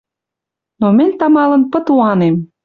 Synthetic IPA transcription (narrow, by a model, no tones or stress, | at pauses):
nomə̆nʲt̪ɑmɑlə̆npə̆t̪uɑnem